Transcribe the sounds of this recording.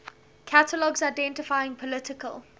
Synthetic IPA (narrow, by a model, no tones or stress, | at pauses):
kʰatʰəlɔɡzaɪdɛ̃ntɪfaɪɪ̃ŋpʰɔlɪtɪkʰə̰l